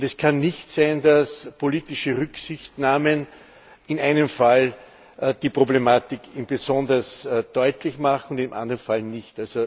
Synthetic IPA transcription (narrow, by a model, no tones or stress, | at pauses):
ɛskʰanːɪçtsæɪndaspʰoliːtɪʃəʁʏksɪçtnaːmən | ɪnæɪnəmfal | d̥ipʁ̥oblemaːtɪkɪmbezɔndɐsd̥ɔʏtlɪçmaχŋ̩ʊndɪmʔã̰ndəʁənfalnɪçtalzo